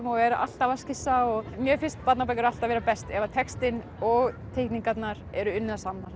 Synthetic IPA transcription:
mɔɛɾaʔa̰l̥t̪avascɪsaɔɣmjɛfɪnst̪̚pat̪nap̬ajkʏɾal̥t̪aðvɛːɾapɛst̪ɛvat̪ʰɛkst̪ɪn | ɔɣt̪ʰejkniŋkat̪naɾɛɾʏʏnːasannaɾ̥

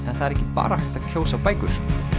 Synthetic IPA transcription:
ɛnθaðɛɾɛhcːɪpa̰ːɾaht̪aðcʰoːwsapaːjkʏɾ̥

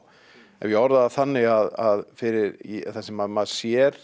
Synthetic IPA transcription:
ɛ̰nvjɛɔɾðaðaθanːɪɣaðaðfɪɾɪɾθasɛmaðmaðsjɛɾ̥

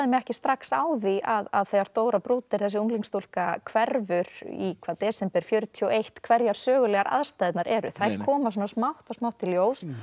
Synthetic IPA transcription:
ðɪmɛɣɛhcɪ̥st̪ɾaksaːwðiaðaðθejɣaɾt̪oːwɾapɾuːt̪ɪɾ̥θɛsɪuŋliŋst̪ul̥kakʰvɛɾvʏɾḭkʰvaːðt̪ɛːsɛmpɛɾ̥fjœɾt̪ʰyɔwejht̪kʰvɛɾjaɾ̥sœːɣʏlɛːɣaɾʔa̰ðst̪ajðɪt̪naɾɛɾʏ̰θakʰɔːmasɔnasmawht̪asmawht̪ʰːɪljoːws

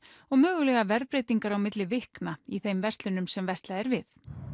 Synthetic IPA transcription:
ɔɣmœːɣʏlɛːɣavɛɾðpɾeːjt̪iŋkaɾawmɪt̪lɪvɪhknaiθejmvɛr̥t̪lʏnʏmsɛmvɛst̪laɛɾvɪθ

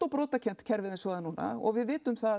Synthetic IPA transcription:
t̪owpɾoːwt̪acʰɛn̥t̪cʰɛɾvɪðɪnsvɔːɣðanːuːna̰ɔ̰ɣvɪðvɪːt̪ʏmθa

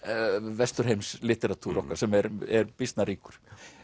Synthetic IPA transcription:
vɛst̪ʏɾ̥ɦejmslɪt̪ɛɾat̪ʰuɾɔhkaɾ̥sɛmɛɾɛɾpist̪naɾiːkʏ̥ɾ̥

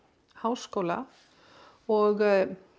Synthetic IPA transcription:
haːwskowla̰ | ɔɣ

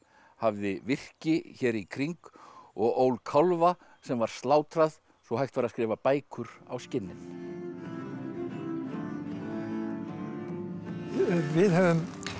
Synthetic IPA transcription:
havðɪvɪr̥cɪçɛːɾikʰɾiŋkɔɣoːwlkʰawlva | sɛmvaɾ̥st̪laːwt̪ɾað | sɔɦajxt̪vaɾaðskɾɪːvapaːjkʰʏɾa̰wscɪnːɪn | vɪðhɛvʏm

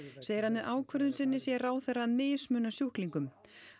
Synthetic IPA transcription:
seːjɪɾ̥hanːɪðʔaːwkʰvœɾðʏnsɪnːɪsjɛraːwθɛranmɪːjsmʏːnasjuhkliŋkʏm

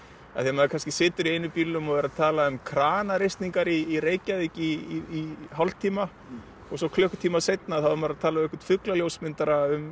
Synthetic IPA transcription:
a̰θiamaðɪkʰanscɪsɪːt̪ʏɾiejnʏpilʏmɔɣvɛːɾat̪ʰaːlaʏmkʰɾaːnaɾejst̪niŋkaɾiːɾeːjcaðɪciiːɦalt̪ʰiːma | ɔɣsɔwkʰlœhkt̪ʰiːmasejt̪̚naaθaðʏmaɾat̪ʰaːlaɛkvaɾ̥t̪fʏklaljowsmɪnt̪aɾaʏm

